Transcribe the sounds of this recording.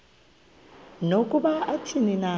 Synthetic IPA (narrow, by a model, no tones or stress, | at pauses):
nokʼuɓaatʰinina